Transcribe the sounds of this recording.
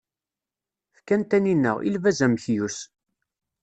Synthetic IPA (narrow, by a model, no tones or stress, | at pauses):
fkænt̪æninːə̰ʁḭlvæzæmçjus